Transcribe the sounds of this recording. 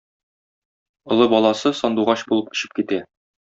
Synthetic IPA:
ŏlˠɤbɒlˠɑsɤsɒnd̪uʁɑɕbulˠɤp̚ɵ̥̆ɕɘ̥p̚kit̪æ

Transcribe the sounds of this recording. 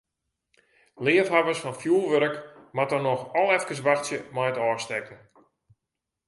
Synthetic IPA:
lɪːəfɦavəsfɔnfjuːlˠʋøɾəkmatərnɔxɔlˠɛfkəs̬ʋaxtjəmajətɔːstɛkn̩

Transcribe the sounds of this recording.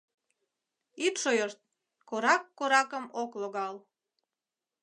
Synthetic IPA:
it̪ʃojort̪̚ | koɾɑkːoɾɑkəmokloɣɑl

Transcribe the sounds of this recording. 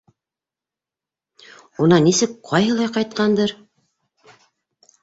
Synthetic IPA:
unɑnisɘkqʰɑjɦɤlˠɑjqɑjt̪̚qɑnd̪ɤɾ

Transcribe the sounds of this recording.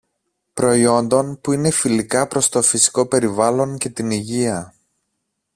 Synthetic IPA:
pɾo̞io̞nd̪o̞npuine̞filikɐpɾo̞st̪o̞fisi̥ko̞pe̞ɾivɐlo̞ɲce̞t̪iniʝiɐ

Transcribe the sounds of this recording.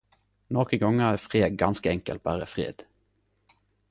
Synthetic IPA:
noːkəɡɔŋːəæːfʁeːd̪ɡɑnskəɛŋkə̰lt̪̚bæːʁəfʁḛːd̪̥

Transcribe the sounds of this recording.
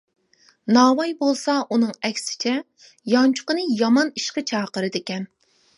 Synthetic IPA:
nɑːwɑjbolˠsɑʔunɨŋɛkʲsɪ̥t͡ʃʰɛ | jɑnt͡ʃʰʊ̥qənɨjɑmɑniʃqət͡ʃʰɑːqəɾɨd̪ekʲɛn

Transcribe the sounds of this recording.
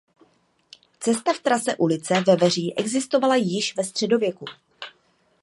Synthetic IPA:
t͡sɛst̪aft̪ɾasɛʔulɪt͡sɛvɛvɛr̝iːʔɛɡzɪst̪o̞valajɪʃvɛst̪r̝̥ɛdo̞vjɛku

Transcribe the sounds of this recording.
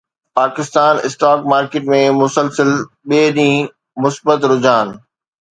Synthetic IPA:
paːkɪst̪aːnɪ̰sʈaːkmaːɾkeːʈmẽmʊsəlsəl | ɓeːɗĩː | mʊsbət̪ɾʊd͡ʑaːn̆

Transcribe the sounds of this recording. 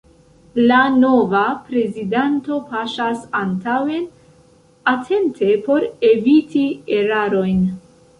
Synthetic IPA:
lano̞vapɾe̞zidanto̞paʃasantawe̞n | atʰe̞ntʰe̞po̞ɾe̞vitie̞ɾaɾo̞jn

